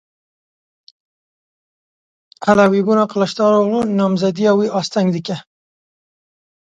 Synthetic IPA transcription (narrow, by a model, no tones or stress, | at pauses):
alawibunaqalaʃt̪ɑɾoɣlunɑmzad̪iawiʔɑst̪aŋɡd̪ika